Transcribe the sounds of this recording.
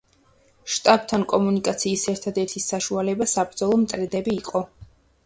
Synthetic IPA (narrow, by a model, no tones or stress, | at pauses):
ʃt̪ʼab̥̚t̪ʰankʼɔmunikʼat̪sʰiːsɛɾt̪ʰad̪ɛɾt̪ʰisaʃualɛbasapɾd̪zɔlˠɔmt̪ʼɾɛd̪ɛbiːqʼɔ